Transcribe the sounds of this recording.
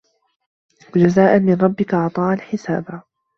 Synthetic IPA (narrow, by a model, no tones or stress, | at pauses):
wad͡ʒazaːʔanmɪnɾˤɑbːɪkaʔɑʕt̪ˤɑːʔalħɪsa̰ːba